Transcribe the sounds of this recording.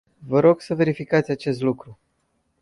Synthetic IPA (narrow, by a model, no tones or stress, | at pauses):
vəɾo̞ɡsəve̞ɾifikat̪sʲat͡ʃe̞st̪lukɾu